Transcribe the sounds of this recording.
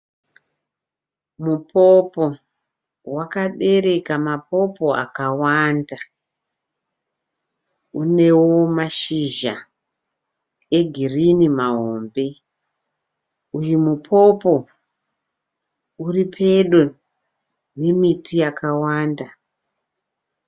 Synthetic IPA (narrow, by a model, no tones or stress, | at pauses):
mupʰopo̞ | wakaɓe̞ɾe̞kamapo̞po̞a̰kawanda | une̞wo̞maʃiʒa | e̞ɡʱirinimaɦoːmbe̞ | ujumupʰo̞po̞ | uripʰe̞ɗo | ne̞mitijakawaːnda